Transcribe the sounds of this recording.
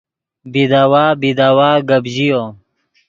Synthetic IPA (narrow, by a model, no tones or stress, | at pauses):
bid̪awaːbid̪awaːɡəbʑijo